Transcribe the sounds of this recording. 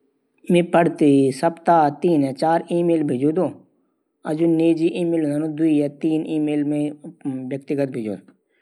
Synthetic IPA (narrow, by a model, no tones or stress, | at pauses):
mẽːpəɽt̪isəpt̪aːt̪iːnɛ̃ːt͡ʃaːɾiːmeːlbʱeːd͡ʒoːd̪õː | əd͡ʒoːneːd͡ʒiːʔiːmeːlnanõːd̪ʊiːaːt̪iːniːmeːlmẽʋjək̚t̪ɪɡət̪̚bʱeːd͡ʒo̰ːd̪